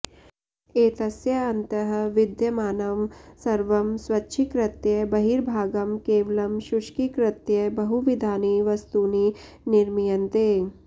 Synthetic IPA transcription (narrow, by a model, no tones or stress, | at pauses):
eːt̪ɐsjɐɐnt̪ɐɦɐ̆ʋɪd̪jɐmaːnɐmsɐɾʋɐmswɐtːʃʰikɾɪt̪jɐbɐɦiːɾbʱaːɡɐmkeːʋɐlɐmʃuʃkikɾɪt̪jɐbɐɦuʋid̪ʱaːniʋɐst̪uni | nɪɾmijɐnt̪eː